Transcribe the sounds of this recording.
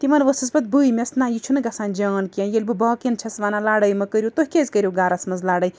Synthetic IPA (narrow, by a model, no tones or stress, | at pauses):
t̪imɐnʋɐsɨsbɐt̪̚bɨjmʲɐsnaːjit͡ʃʰunɨɡɐsãːnd͡ʒɐːnkãjelʲbɨbɐkint͡ʃʰɐsʋanalaːɽɐjmɐkəɾʲjut̪oɦkʲezkəɾʲjoɡaːɾɐsmɐzlaːɽɐj